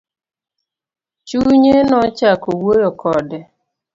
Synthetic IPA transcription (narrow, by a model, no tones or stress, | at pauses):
t͡ʃuɲenɔt͡ʃakowojokɔdɛ